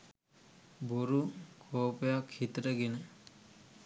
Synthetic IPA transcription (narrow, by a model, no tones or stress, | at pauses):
boɾukʰoːpəjakhit̪ɾəɡenə